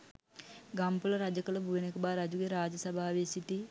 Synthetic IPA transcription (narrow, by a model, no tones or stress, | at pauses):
ɡampuləɾad͡ʒɐkələbʱuʋenekəbaːɾad͡ʒuɡeɾaːd͡ʒɐsɐbʱaːʋesit̪i